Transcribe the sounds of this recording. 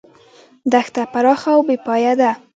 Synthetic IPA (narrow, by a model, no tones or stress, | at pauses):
d̪axt̪apaɾɑxawbepɑjad̪a